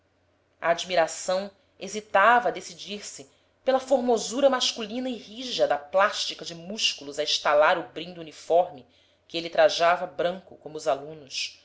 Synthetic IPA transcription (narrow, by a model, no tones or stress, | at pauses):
ɐ̰ːd͡ʒmiɾasɐ̃w̃ | ezit̪avɐd̪esid͡ʒiɾsɪ | pelɐfoɾmozuɾɐmaʃkulĩnɐɪhiʒɐd̪ɐplaʃt͡ʃikɐd͡ʒɪmuʃkulʊzɐiʃt̪alaɾʊbɾĩnd̪uunifɔɾmɪ | kɪelit̪ɾaʒavɐbɾɐ̃ŋkʊkõmʊːzalũnʊs